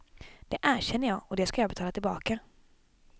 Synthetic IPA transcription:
d̪̥ɛʔæːɾɕɛnːəjɑːɡɔd̪ɛskajɑːɡbɛt̪ʰɑːlat̪ɪlbɑːka

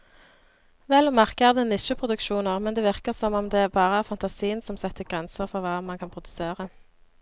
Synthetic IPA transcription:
ʋɛlmæʁkəæʁd̪ɛnɪʃʉpʰʁʊd̪ʉkʃuːnəʁmɛnd̪eːʋɪʁkəʁsɔmɔmd̪ɛbɑːʁəæʁfɑnt̪ɑsiːənsɔmsɛt̪ːəɡʁɛnsəʁfɔʁʋɑːmɑnkʰɑnpʰʁʊd̪ʉseːʁə

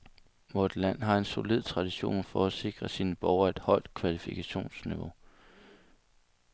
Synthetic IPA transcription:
mod̥læn̰ɦɑ̈e̝nso̝lið̞̰ˠt͡sʰʁɑ̈d̥iɕo̝̰ːnfɒ̽æse̝ɡ̥ʁɐsiːnəb̥ɒʊɐe̝d̥hɒ̽l̰d̥̚kʰʋælifikʰæɕo̝̰ːnsniʋo̝

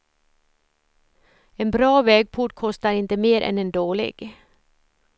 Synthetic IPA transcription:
eːnbɾɑːʋɛːɡ̚pʰʊʈ̚kʰɔst̪ɑɾɪnt̪əmeːɾʔɛ̰neːnd̪oːɭɪ̰ɡ̥

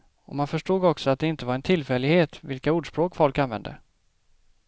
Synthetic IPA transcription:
ɔmanfœʂʈuːɡɔksɔat̪̚d̪ɛɪnt̪əvaɾɛnt̪ʰɪlfɛlɪɡheːt̪vɪlkauːɖʂpɾoːkfɔlkanvɛ̰nd̪ə̰

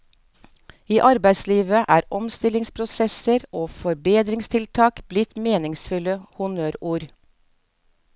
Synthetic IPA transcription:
iːʔɑɾbæɪsliːʋəʔæːɾɔmst̪ɪlɪŋspʰɾʊsɛsəɾoːfɔɾbeːd̪ɾɪŋst̪ʰɪlt̪ʰɑːkb̥lɪt̪meːnɪŋsfʉləhʊnøːɾuːɾ

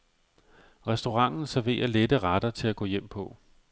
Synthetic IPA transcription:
ʁɛsd̥o̝ʁɑ̈ŋ̰n̩sæɐʋe̝̰ːɐled̥əʁɑd̥ɐt͡sʰe̝læɡ̥ɔ̰ːjem̰pʰɒ̽

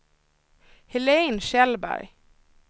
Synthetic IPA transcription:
hɪleːnʃɛlbæ̰ɾj

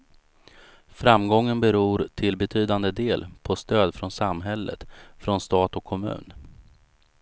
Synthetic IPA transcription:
fɾamɡɔŋːənbɛɾuːɾʈʰɪlbɛt̪ʰyːd̪and̪əd̪eːlpʰɔst̪øːd̪fɾɔnsamɦɛlːə̰t̪fɾɔnst̪ɑːt̪ɔkʰːɔmʉ̟̰ːn

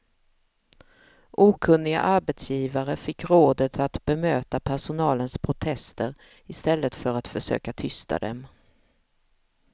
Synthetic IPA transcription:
ʔuːkʰɵnːɪɡa̰ʔaɾbɛt̪sjiːvaɾəfɪkːɾoːd̪ət̪ʰat̪bɛmøːt̪apʰæʂʊnɑːlənspʰɾʊt̪ʰɛst̪əɾ | ɪst̪ɛlːət̪fœɾat̪fœʂø̰ːkat̪ʰʏst̪a̰d̪ɛ̰m

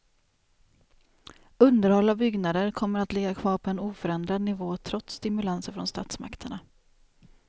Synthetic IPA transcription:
ɵnd̪əɾhɔlːavbʏɡnad̪əɾkʰɔmːəɾat̪lɪɡːakʰvɑːɾpʰɔɛnuːfœɾɛnd̪ɾad̪nɪvoːt̪ʰɾɔt̪st̪ɪmɵlansəɾfɾɔ̰nst̪a̰ːt̪sma̰kt̪ʰəɳa

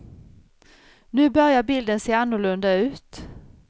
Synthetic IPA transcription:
nʉ̟ːbœɾjabɪld̪ənseːɾanːʊɭɵnd̪aʉ̟ːt̪

